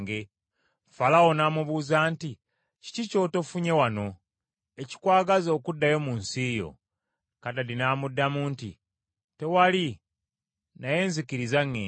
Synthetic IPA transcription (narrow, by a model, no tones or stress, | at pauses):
ɡe | falawo̞naːmuβuːzaːnti | ci̥cico̞ːto̞fuɲe̞wano̞ | eci̥kwaːɡazo̞ːkudːajo̞muːnsiːjo̞̰ | katalinaːmudːamuːntḭ | te̞wali | naje̞ːnzikiɾizaŋːe